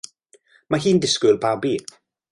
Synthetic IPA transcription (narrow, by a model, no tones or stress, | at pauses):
maɦiːndɪskʊlˠbabiː